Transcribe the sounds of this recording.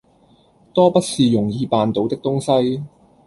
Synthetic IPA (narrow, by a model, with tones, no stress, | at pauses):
t̪ɔː˥pɐ˥t̚siː˨jʊ˨˩ŋjiː˧paː˨˧nt̪o˨˥wt̪ɪ˥k̚t̪ʊ˥ŋsɐ˥j